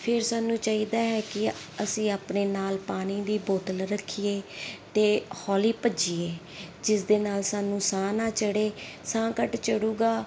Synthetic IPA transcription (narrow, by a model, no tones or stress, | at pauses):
pʰɪɾsaːnːũːt͡ʃaːiːd̪aːɦɛːkɪəsĩːaːpneːnaːlpaːñiːd̪iːboːt̪əlɾəkʰːiːeːt̪eːhɔːliːpəd͡ʒiːeː | d͡ʒɪsd̪eːnaːlsaːnũːsãːnãːt͡ʃəɽeːsãːkəʈt͡ʃəɽuːɡaː